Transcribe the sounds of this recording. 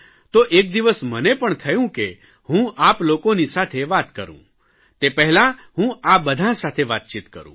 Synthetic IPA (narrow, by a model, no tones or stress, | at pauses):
t̪oʔek̚d̪iʋəsmənepəɳt̪ʰəjũke | hũʔaplokonisat̪ʰeʋat̪kəɾṵ̃ | t̪epɛɦlãɦũabəd̪ʱãsat̪ʰeʋat̪̚t͡ʃit̪kə̰ɾṵ̃